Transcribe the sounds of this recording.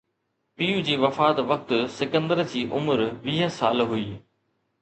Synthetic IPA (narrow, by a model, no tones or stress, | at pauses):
piːud͡ʑiːʋɐfaːt̪ʋɐk̚t̪ʊ̆sɪkə̃nd̪əɾd͡ʑiːʔʊmʊɾʋiːɦə̆saːlɦuiː